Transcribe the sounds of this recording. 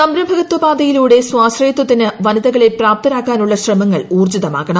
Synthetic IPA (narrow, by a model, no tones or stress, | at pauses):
sɐmɾɐbʱɐɣɐt̪ːwɐbaːd̪ɐjiluːɽe̞swaːɕrɐjɐt̪ːwɐt̪ːinɨʋɐnɐðɐɣɐɭepraːp̚t̪ɐnaːkːaːnuɭːɐɕrɐmɐŋːɐɭuːrd͡ʑiðɐma̰ːɣɐɳɐm